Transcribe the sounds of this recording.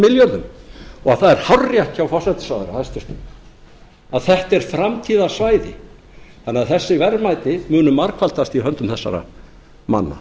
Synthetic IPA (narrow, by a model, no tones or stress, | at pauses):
mɪljœɾðʏmɔɣaðθaðɛɾ̥hawrːjahcawfɔ̥sajt̪ɪ̥sawðɛɾa̰hast̪ʏst̪ʏ | aðθɛht̪ɛɾ̥fɾamt̪ʰiːðasvaːjðɪ̰ | θanːɪaðθɛsːɪvɛɾmajt̪nɪmʏːnʏmaɾkʰvalt̪ast̪iɦœnt̪ʏmθɛsːa̰ɾa̰ | ma̰nːa̰